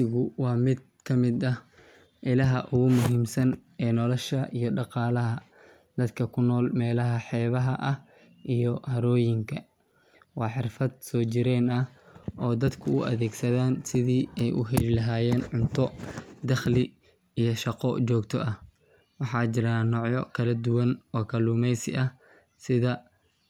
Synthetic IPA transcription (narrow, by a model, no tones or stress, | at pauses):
ɪɣʊwɑːmɪd̪̚ | kʰɐmɪd̪ɐh | ʔɪlɐɦɐʔʊɣʊmʊɦiːmsɐn | ɛːnɔlɔʃɐʔijɔɖɑqɑːlɐɦɐ | d̪̥ɐd̪kʰɐkʰʊnːɔːlmɛːlɐɦɐħɛːβɐɦɐʔɐh | ʔijɔhɐɾɔːjɪŋkʰɐ | wɑːħɪrfɐd̪̚sɔːt͡ʃɪɾɛːnɐhʔɔːd̪ɐd̪kʰʊʊʔɐ̰ðɛːɡsɐðaːnsɪðiːɛjʔʊ̰ɦɛlɪlɐɦaːjɛːnʕʊnt̪ʰɔd̪ɐχlɪ | ijɔʃɑqɔt͡ʃɔːɡt̪ʰɔʔɐh | wɑħɑːt͡ʃɪɾaːnɔːʕjɔ̰kʰɐlɐd̪ʊwɐnɔːkʰɐluːmɛjsɪ̰ʔɐh | sɪðɐ